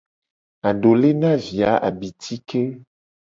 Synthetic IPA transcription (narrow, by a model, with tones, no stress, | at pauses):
a˨ɖo˨le˦nã˦vi˨a˦ʔa̰˨bi˨t̪ʰi˦ke˦